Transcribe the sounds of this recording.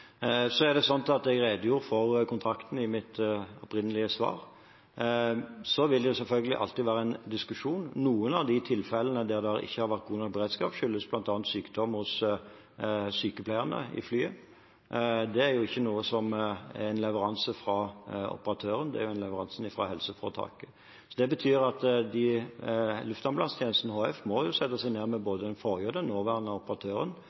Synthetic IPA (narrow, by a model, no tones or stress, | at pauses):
sɔæʁd̪ɛsɔnt̪ɑt̪ɛɡɾeːd̪əjuːɾfɔʁkʰʊnt̪ʰɾɑkt̪n̩ɪmɪt̪ɔpɾɪnːəlɪəsʋɑ̰ːɾ | sɔʋɪld̪ɛjʊsɛlfœlɡəlɪʔɑ̰lt̪iːʋæːʁəɛnd̪ɪskʉʂuːnːuːənɑʋd̪ɪt̪ʰɪlfɛlːənəd̪æʁd̪ɛɑʁɪ̰çːəhɑɾʋæʁt̪̚ɡuːnɔk̚bəʁeːd̪skɑːpʃʏlːəsblɑnt̪ɑːnt̪syːkd̪ɔmhʊs | syːkəpʰlæɪəʁnə̰ɪ̰flyːə | d̪ɛæɾjʊɪçːənuːəsɔmæɪnlɛʋəɾɑnsəfɾɑɔ̰pəɾɑt̪ʰøːɾənd̪ɛ̰æ̰ɾjʊɛɪnlɛʋəʁɑnsn̩ɪfʁɑɦɛlsəfɔʁt̪ʰɑ̰ːkə | sɔd̪ɛbət̪ʰyːɾɑt̪d̪ɪ | lʉft̪ɑnblɑnst̪ʰjeːnəst̪nəhoːɛfmɔjʊsɛt̪ːəsæɪneːʁmɛboːd̪əɛnfɔʁjøːd̪ənoːʋæːʁənɑʊpəʁɑt̪ʰøːʁən